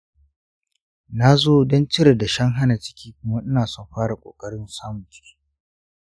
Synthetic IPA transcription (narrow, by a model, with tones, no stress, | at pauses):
na˦zoː˦dɔ˦nt͡ʃɪ˦ɾe˨da˨ʃɐ˦ŋɦa˦na˨t͡ʃɪ̥˦kʲʰiː˦kʷʊ˦ma˦ʔɪ˦naː˨sɔ˦˨mɸaː˦ɽa˨kʷʼo̰ː˨kʼɐ˦ɽɪ˦nsaː˦mʊ˨t͡ʃi̥ː˦